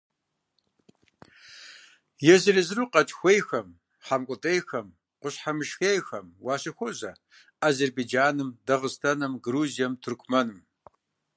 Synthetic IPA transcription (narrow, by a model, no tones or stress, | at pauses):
jɛzɨrɨzɨɾuːqɐt͡ʃʼxʷejxɐm | ħamkʷʼʊtʼejxɐm | qʷʊɕħamɨʃxejxɐmwɑːɕɪxʷɔʑɐ | aːzerbejd͡ʒaːnɨmdɐʁɨstʰɐnɐmɡɾuːzijɛmtʰʊrkʷʰmɐnɨm